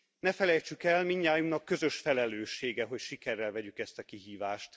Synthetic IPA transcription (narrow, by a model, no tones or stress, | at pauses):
nɛfɛlɛjt͡ʃykɛlmiɲːaːjunɒkːø̞zø̞ʃfɛlɛløːʃːeːɡɛɦo̞cʃikɛrːɛlvɛɟykɛst̪ɒkiɦiːvaːʃt̪